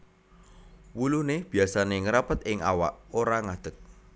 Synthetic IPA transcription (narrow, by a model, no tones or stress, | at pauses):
wuluneb̥iasaneŋəɾapət̪ɪŋawa̰ʔoɾaŋad̪̥ək̚